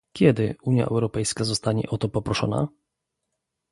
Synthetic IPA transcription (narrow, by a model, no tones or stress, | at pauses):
kʲjɛd̪ɘuɲja̰ʔɛ̰wɾɔpɛjskazɔst̪aɲɛ̰ʔɔt̪ɔpɔpɾɔʂɔ̰na̰